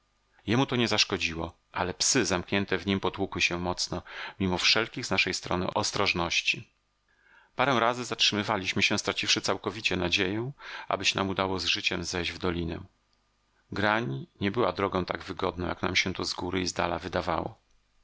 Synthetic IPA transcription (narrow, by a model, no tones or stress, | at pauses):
jɛmut̪ɔɲɛzaʂkɔd͡ʑiwɔ | alɛpsɘzamkɲɛnt̪ɛvɲimpɔt̪wukwɘɕɛmɔt̪snɔmʲimɔfʂɛlkʲiɣznaʂɛjst̪ɾɔ̰nɘ̰ʔɔst̪ɾɔʐnɔɕt͡ɕi | paɾɛw̃ɾazɘzatʂɘmɘvalʲiɕmɘɕɛ̃st̪ɾat͡ɕifʂɘt̪sawkɔvʲit͡ɕɛnad͡ʑejɛ̃ʔa̰bɘɕna̰mud̪awɔzʐɘt͡ɕɛmzɛjd͡ʑvd̪ɔlʲinɛ̰ | ɡɾaɲɲɛbɘwad̪ɾɔɡɔ̃w̃t̪aɡvɘɡɔd̪nɔ̃jakna̰mɕɛt̪ɔzɡuɾɘizd̪a̰la̰vɘd̪ava̰wɔ̰